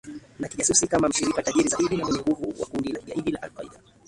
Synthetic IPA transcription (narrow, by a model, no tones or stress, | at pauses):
nakiʄasusikamam̩ʃiɾikataʄiɾizaiɗinamɛnɛŋɡuvuwa̰kundilakiʄa̰ʔiɗilaʔa̰lkaḭɗa